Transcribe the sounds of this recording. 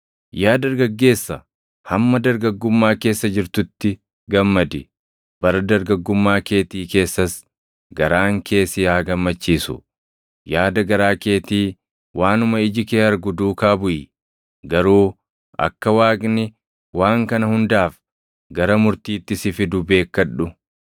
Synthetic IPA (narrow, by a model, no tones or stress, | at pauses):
jaːd̪ɐɾɡɐɡːe̞ːsːɐ | hɐmːɐd̪ɐɾɡɐɡːʊmːaːke̞ːsːɐd͡ʒɪɾt̪ʊt̪ːɪ | ɡɐmːɐd̪ɪ | b̥ɐɾɐd̪ɐɾɡɐɡːʊmːaːke̞ːt̪iːke̞ːsːɐs | ɡɐɾaːŋkʰe̞ːsɪjaːɡɐmːɐt͡ʃːiːsʊ̰ | jaːd̪ɐɡɐɾaːke̞ːt̪iː | waːnʊmɐɪd͡ʒɪkeːɐɾɡʊd̪uːkaːbʊʔɪ | ɡɐɾuː | ʔɐ̰kːɐwaːɡʼnɪ | waːŋkɐnɐhʊnd̪aːf | ɡɐɾɐmʊɾt̪iːt̪ːɪsɪfɪd̪ʊbe̞ːkːɐᶑːʊ